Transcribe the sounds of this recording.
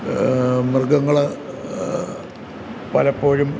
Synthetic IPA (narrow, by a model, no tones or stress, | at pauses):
mɨrɡɐŋːɐɭ | pɐlɐpːo̞ːɻum